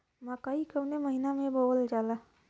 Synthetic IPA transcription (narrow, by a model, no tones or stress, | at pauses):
makaːikəwneməɦinamẽboːld͡ʒaːla